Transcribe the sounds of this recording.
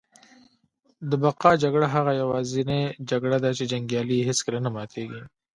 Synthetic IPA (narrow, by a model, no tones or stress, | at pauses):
d̪əbaqɑd͡ʒaɡɽaɦaɣajawɑzined͡ʒaɡɽad̪at͡ʃed͡ʒaŋɡjɑliɦeskəlanamɑt̪ʰeɡi